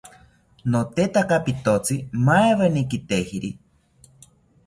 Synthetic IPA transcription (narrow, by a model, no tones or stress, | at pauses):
not̪et̪akapit̪ot͡sɨmaeβenikit̪ehiɾi